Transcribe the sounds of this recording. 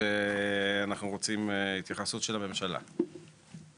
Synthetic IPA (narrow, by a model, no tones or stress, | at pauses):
eanaχnuʁo̞t͡simit̪jaχasut̪ʃelame̞mʃala̰